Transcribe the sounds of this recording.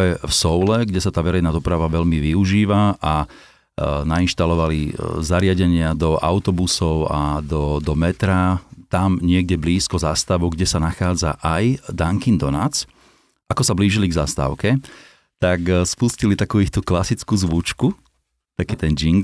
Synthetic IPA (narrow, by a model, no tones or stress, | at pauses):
ɛfsɔʊlɛɡɟɛsat̪aːʋɛɾɛɪnaːd̪ɔpɾaʋaʋɛʎmiʋiuʒiːʋaʔa | nainʃt̪alɔʋalizaɾɪaɟɛɲɪad̪ɔʔa̰ʊt̪ɔbusɔʊa̰d̪ɔd̪ɔmɛt̪ɾat̪amɲɪɛɡɟɛbliːskɔzast̪aʋɔɡɟɛsanaxaːd͡za̰ʔajd̪aŋkind̪ɔna̰t͡s | akɔsabliːʒiliɡzast̪a̰ʊkɛ | t̪akspuscilit̪akuːixt̪uklasit͡skuːzʋut͡ʃku | t̪akiːt̪ɛnɟiŋɡ